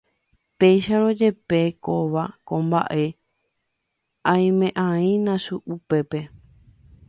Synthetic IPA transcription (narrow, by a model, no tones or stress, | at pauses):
pe̞jʃaɾo̞d͡ʒe̞pe̞koʋakõmba̰ʔe̞ | ãj̃mẽ̞ʔãĩnãʃuʔupe̞pe̞